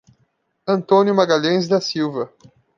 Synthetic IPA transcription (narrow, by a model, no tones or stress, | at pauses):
ɐ̃nt̪õnjʊmaɡaʎẽj̃zd̪ɐsiwvɐ